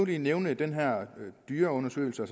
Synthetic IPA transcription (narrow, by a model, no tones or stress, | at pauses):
lineʊnəd̥enɦæɐ̰d̥yːɐɔ̽nɐsø̰ːl̩səæs